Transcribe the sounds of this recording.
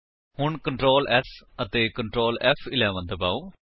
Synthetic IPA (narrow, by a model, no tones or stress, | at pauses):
hʊɳkəɳʈɾoːlʔɛːsʰ | ət̪eːkəɳʈɾoːlɛfʰɪlɛːʋənd̪əbaːoː